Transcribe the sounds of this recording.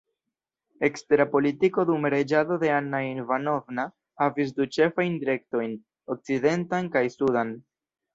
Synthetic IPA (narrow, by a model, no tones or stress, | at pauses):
e̞ksteɾapo̞litiko̞dumɾe̞d͡ʒado̞de̞anːainvano̞vna | havis̬dut͡ʃe̞fajndiɾe̞k̚to̞jn | o̞k̚t͡side̞ntankajsudan